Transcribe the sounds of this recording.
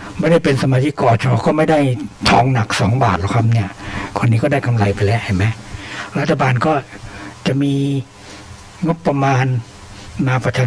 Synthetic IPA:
ma˥˩da˥˩jpe˧nsa˧maː˧t͡ɕʰi˦˥kːɔː˧˨˧t͡ɕʰa˧ɔpːʰɔ˧˩kɔː˥˩ma˥˩jda˥˩jt̪ʰɔː˧ŋna˨˩k̚sɔː˩˦ŋbaː˨˩t̪̚la˧˩kʰa˦˥p̚ni˥˩ɐkʰo˧nːiː˦˥kɔː˥˩da˥˩jkʰa˧mɾa˧jpa˧jlɛː˦˥ʔha˧˩jma˦˥jɾa˦˥t̪ʰːa˧baː˧nkɔː˥˩t͡ɕa˨˩ʔmiː˧ | ŋo˦˥pːɾa˧maː˧n | maː˧pɾa˧t͡ɕʰaː˧

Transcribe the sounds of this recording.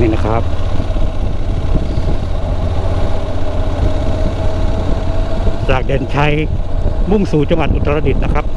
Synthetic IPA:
na˦˥kʰɾa˦˥p̚ | t͡ɕaː˨˩k̚deː˨˩nt͡ɕʰa˦˧˥jmu˥˩ŋsuː˨˦t͡ɕa˧ŋwa˨˩t̪ʔu˧˩t̪ʰːa˧a˧di˨˩t̪̚na˦˥kʰɾa˦˥p̚

